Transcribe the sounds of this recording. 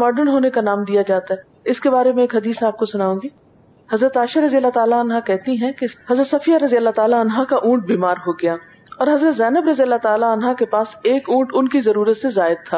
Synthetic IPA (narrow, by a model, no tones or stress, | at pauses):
mɔːɖəɾnɦoːnekanaːmd̪ijad͡ʒaːt̪aɦɛː | ɪskebaːɾemɛ̃eːkɦɐd̪iːsaːp̚kosʊnaːũːɡiː | hɐzɾət̪aːʃaɾɐzijəlːat̪aːlaənɦakɛɦt̪iɦɛ̃keɦɐzɾət̪sɐfijaɾɐzijəlːat̪aːlaɐnɦakaʔũːʈ̚biːmaːɾɦoɡɐjaː | ɔːɾɦɐzɾət̪zɛːnəbɾɐzijəlːat̪aːlaənɦakepaːseːkũːʈʊnkizɐɾuːɾət̪sezaːɪd̪̚t̪ʰːaː